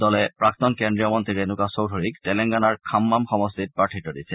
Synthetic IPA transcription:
dɔlɛpɹak̚t̪ɔnkɛndijɔmɔnt̪ɹiɹenukasowdʱoɹiktɛlɛŋɡanaɹkʰamːamxɔmɔstit̚pɹaʈʰitɔdisɛ

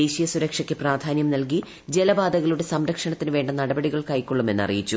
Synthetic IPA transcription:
eːɕijɐsuɾɐkʂɐkʲːɨpraːd̪ʱaːnjɐmnɐlk̬i | d͡ʑelɐbaːd̪ɐɣɐɭuɽe̞sɐmɾɐkʂɐɳɐt̪ːinɨʋe̞ːɳɖɐnɐɽɐbɐɽiɣɐɭkɐjkʲːoɭːume̞nːɐ̰rḭjit͡ɕːu

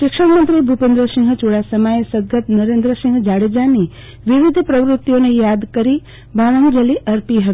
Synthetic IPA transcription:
ʃɪkʃəkmənt̪ɾibʱupẽnd̪ɾəsĩŋɡt͡ʃuɽasəmajesəɡ̪̚ɡət̪nəɾend̪ɾəsĩŋɡd͡ʒaɽed͡ʒani | ʋiʋɪd̪ʱpɾəʋɾɪt̪ːjonejad̪kəɾi | bʱaʋə̃ŋd͡ʒəliʔəɾpiɦət̪

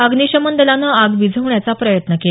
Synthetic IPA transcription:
əɡniɕəmənd̪əlanəaɡʋid͡zʱəʋɳjat͡sapɾəjət̪nəke

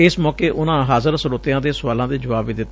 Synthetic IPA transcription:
ɪsmɔːkeːʔʊnãːɦaːzəɾsəɾoːt̪ɪjãːd̪eːsʊʋaːlãːd̪eːd͡ʒəʋaːbʋiːd̪ɪt̪ː

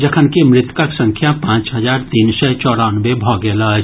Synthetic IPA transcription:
d͡ʒɐkʰənkemɾɪt̪kaksə̃ŋkʰjapãːt͡ʃɦɐzaːɾt̪iːnsɛt͡ʃɔːɽaːnʋebʱɔːɡɛːla

